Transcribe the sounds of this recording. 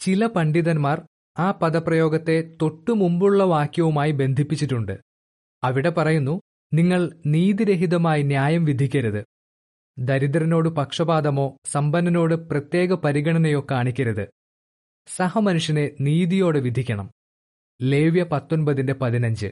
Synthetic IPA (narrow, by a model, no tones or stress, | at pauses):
t͡ɕilɐpɐɳɖiðɐnmaːr | aːpɐðɐprɐjo̞ːɡɐt̪ːe̞t̪o̞ʈːɨmumbuɭːɐʋaːkjɐʋumaːjibe̞nd̪ʱipːit͡ɕːitːuɳɖɨ̰ | ɐʋiɽe̞pɐrɐjunːu | niŋːɐɭniːðiɾe̞ɦiðɐmaːjinjaːjɐmʋid̪ʱikʲːɐɾuðɨ | d̪ɐɾid̪rɐno̞ːɽɨpɐkʂɐbaːd̪ɐmo̞ːsɐmbɐnːɐno̞ːɽɨprɐt̪je̞ːɡɐpɐɾiɡɐɳɐnɐjo̞kːaːɳikʲːɐɾuðɨ | sɐɦɐmɐnuʂjɐne̞niːðijo̞ːɽɨʋid̪ʱikʲːɐɳɐm | le̞ːʋjɐpɐt̪ːo̞nbɐðinde̞pɐðinɐɲd͡ʑɨ̰